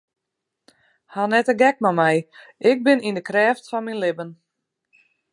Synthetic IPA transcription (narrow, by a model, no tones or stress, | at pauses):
hanɛtəɡɛkmamɛjʔɪk̚bɪnindəkrɛːftfɔnminlɪbən